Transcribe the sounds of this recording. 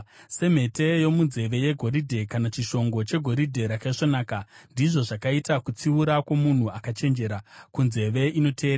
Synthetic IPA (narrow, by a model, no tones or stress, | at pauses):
se̞m̤e̞te̞jo̞munze̞ʋe̞je̞ɡʱo̞ɾidʱe̞kanat͡ʃiʃo̞ŋɡo̞t͡ʃe̞ɡʱo̞ɾidʱe̞ɾakaiʐonaːkandiʐo̞ʐakaitakut͡siuɾakwo̞mun̤uakat͡ʃe̞nd͡ʒe̞ɾakunze̞ʋe̞ʔino̞tʰe̞ːɾ